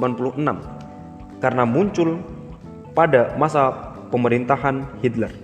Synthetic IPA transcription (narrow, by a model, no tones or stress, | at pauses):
panpuluhənam | kaɾənamuɲt͡ʃʊl | padamasa | pəməɾint̪aɦanhit̪lɛr